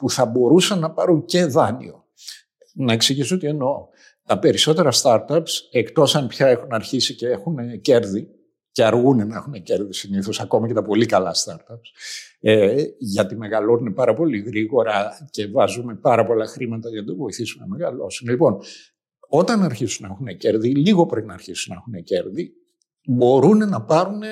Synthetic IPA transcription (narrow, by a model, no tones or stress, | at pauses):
puθɐbo̞ɾusɐnːɐpɐɾunce̞ðɐnḭo̞ | nɐe̞ksiʝisuo̞t̪ie̞no̞ | t̪ɐpe̞ɾiso̞t̪e̞ɾɐst̪ɐɾt̪ɐpse̞kt̪o̞sɐnpçɐe̞xunɐɾçisiceexunece̞ɾði | ce̞ɐɾɣunenɐexunece̞ɾðisiniθo̞sɐko̞mɐcet̪ɐpo̞likɐlɐst̪ɐɾt̪ɐps | eʝɐt̪ime̞ɣɐlo̞ninepɐɾɐpo̞liɣɾiɣo̞ɾɐce̞vɐzume̞pɐɾɐpo̞lɐxɾimɐt̪ɐʝɐnɐt̪ɐvo̞iθisunnɐme̞ɣɐlo̞̰sunlipo̞n | o̞t̪ɐnɐɾçisunɐexunece̞ɾðiliɣo̞pɾeinɐːɾçisunɐexune̞ce̞ɾði | bo̞ɾune̞nɐpɐɾune